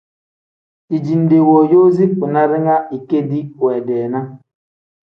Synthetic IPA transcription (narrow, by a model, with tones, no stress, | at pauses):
i˨d͡ʒi˨n˨de˨wo˨jo˦zi˦k͡pu˨na˦ɾɛ˦ŋa˦i˨ke˦di˦wɛ˨dɛː˨na˦